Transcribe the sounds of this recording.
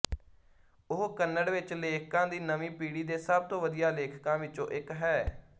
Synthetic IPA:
ʊɦkənːəɽʋɪt͡ʃleːkʰkãːd̪iːnəmĩːpiːɽiːd̪eːsəb̚t̪õːʋəd̪ijaːleːkʰkãːʋɪt͡ʃõ̰ːʔɪkɦɛː

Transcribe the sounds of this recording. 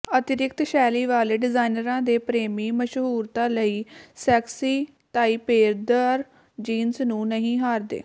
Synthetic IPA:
ət̪ɪɾɪkt̪ʃɛːliːʋaːleːɖɪzaːinəɾãːd̪eːpɾeːmĩːməʃɦuːɾt̪ãːləiːsɛːksiː | t̪aːiːpeːɾd̪əɾ | d͡ʒiːnsnũːnəɦĩːɦaːɾd̪ḛː

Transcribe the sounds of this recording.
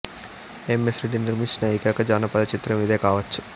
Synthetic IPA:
emesɾeɖiniɾmiʂnɐːjikɐkɐd͡ʒaːnɐpɐd̪ɐt͡ʃit̪ɾɐmiːd̪eːkaːʋɐt͡ʃːu̥

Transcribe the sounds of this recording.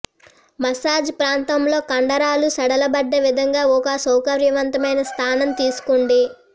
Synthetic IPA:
mɐsaːd͡ʒpɾaːnt̪ɐmlo̞ːkɐɳɖɐɾaːlusɐɽɐlɐbɐɖːe̞ːʋid̪ʱɐŋɡaːɔkɐsɐwkɐɾjɐʋɐnt̪ɐmɐjnɐst̪ʰaːnɐmt̪iːsu̥kuɳɖi

